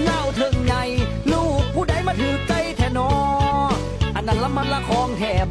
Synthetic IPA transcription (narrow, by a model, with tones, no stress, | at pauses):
ŋaː˧˩˨wt̪ʰɤ˧˩ŋɲa˧j | luː˧˩k̚pʰuː˧˩da˧˩jmaː˧˥t̪ʰɯː˨˦t͡ɕa˧jt̪ʰɛː˧˩nɔː˧˦˧ | ʔa˨˧˩nːʔa˧˩nla˧˥ma˧˥˩nlaː˧˩kʰɔː˧ŋt̪ʰɛː˨˩